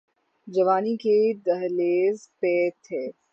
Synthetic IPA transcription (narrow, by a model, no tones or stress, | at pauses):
d͡ʒɐʋaːniked̪ɐɦleːzpɛːt̪ʰːɛː